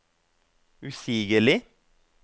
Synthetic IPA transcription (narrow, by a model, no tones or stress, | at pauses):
ʉsiːɡəlɪ